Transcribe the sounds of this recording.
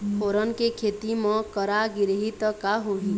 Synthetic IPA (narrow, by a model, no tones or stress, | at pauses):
ɦʰoɾənkekʰet̪imɔ̃kəɾaɡiɾɦit̪kaɦoɦi